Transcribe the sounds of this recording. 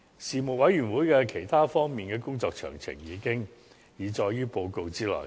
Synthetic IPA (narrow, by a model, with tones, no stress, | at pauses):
siː˨˩mʊ˨k̚wɐ˨˥jɥyː˨˩nwuː˨˥jkɛː˧kʰe˨˩jt̪ʰaː˥fɔː˥ŋmiː˨nkɛː˧kʊ˥ŋt͡sɔː˧k̚t͡ʃʰœ̰ː˨˩ŋt͡sʰɪ̰˨˩ŋjiː˨˧kɪ˥ŋ | jiː˨˧t͡sɔː˧jjyː˥po˧wko˧wt͡siː˥lɔ̰˨˩j